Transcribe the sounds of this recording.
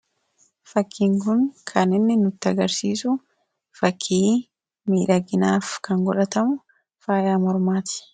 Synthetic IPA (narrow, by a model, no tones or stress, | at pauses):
fɐkʰːiːŋkʊnkʰɐnɪnːɪnʊt̪ːɪɐɡɐɾsiːsʊ | fɐkʰːiː | miːᶑɐɡɪnaːfkɐŋɡɔᶑɐt̪ɐmʊ | faːjaːmɔɾmaːt̪ɪ̥